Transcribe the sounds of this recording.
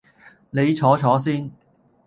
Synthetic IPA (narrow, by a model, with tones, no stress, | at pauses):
ne˨˧jt͡ʃʰɔː˨˥t͡ʃʰɔː˨˥siː˥n